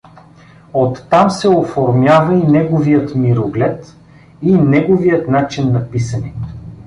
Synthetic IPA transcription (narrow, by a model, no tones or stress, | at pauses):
ot̪ːamsɛofoɾmjavɐinɛɡovijət̪miɾoɡlʲɛt̪ | inɛɡovijət̪nat͡ʃinːɐpisɐni